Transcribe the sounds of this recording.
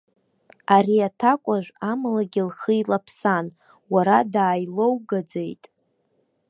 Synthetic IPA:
aɾiatʰakʷʼaʒᶣʷamalaɡʲɪlχəilapʰsan | waɾadaːjlowɡad͡zejtʼ

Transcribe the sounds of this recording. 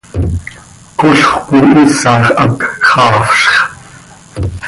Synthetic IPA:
koɬχʷkuʔisɑːχʔɑkχɑːfɬχ

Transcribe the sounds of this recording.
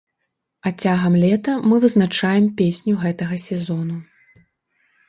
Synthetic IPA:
at͡sʲaɣɐmlʲɛt̪ɐmɨvɨznat͡ʂajɛmpʲesʲnʲuɣɛt̪ɐɣɐsʲɛzɔnu

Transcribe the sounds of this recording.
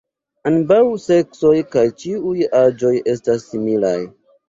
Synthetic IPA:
anbawse̞kso̞jkajt͡ʃiujad͡ʒo̞je̞stasːimila̰j

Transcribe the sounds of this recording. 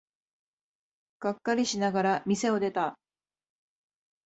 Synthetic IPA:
ɡ̥akːaɾʲiɕinaɡaɾamʲise̞o̞d̪e̞t̪a

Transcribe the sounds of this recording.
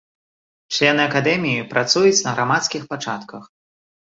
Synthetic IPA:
t͡ʂlʲɛnɨɐkad̪ɛmʲijipɾʔat̪sujut͡sʲnɐɣɾʔamat̪skʲixpat͡ʂat̪kɐx

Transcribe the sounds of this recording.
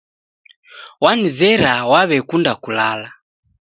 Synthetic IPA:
wanizɛɾawaβɛkundakulala

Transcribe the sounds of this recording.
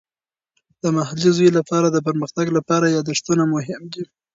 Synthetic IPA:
d̪̥əmaɦalizujlapɑɾad̪əp̬əɾməxt̪aɡlapɑɾajɑd̪aʂt̪unamʊɦɪmd̪i

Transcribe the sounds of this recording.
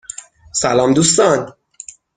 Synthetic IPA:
sælɒːmd̪uːst̪ɒn

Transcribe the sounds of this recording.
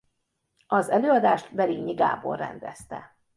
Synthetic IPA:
ɒzɛløːɒd̪aːʃt̪bɛliɡɲiɡa̰ːbo̰rːɛ̰nd̪ɛst̪ɛ̰

